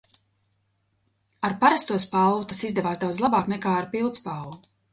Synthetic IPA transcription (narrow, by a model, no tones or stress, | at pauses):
aɾpaɾast̪uɔspalˠvut̪asizd̪ɛvaːsd̪awd̪zlˠabaːknɛkaːaɾpilˠt̪spalvu